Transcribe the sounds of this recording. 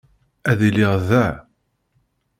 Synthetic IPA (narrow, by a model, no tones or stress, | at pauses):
æðiliʁðæ